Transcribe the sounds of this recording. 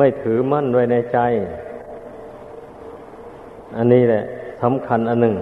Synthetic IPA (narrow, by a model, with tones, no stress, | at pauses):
ma˥˩jt̪ʰɯː˨˩˦ma˥˨nwaː˧˩jna˧˩jt͡ɕa˧˥˨j | ʔa˧nːiː˧˥˩lɛ˧ʔsa˨˦mkʰa˧˥˨nʔa˧nːɯ˨˩ŋ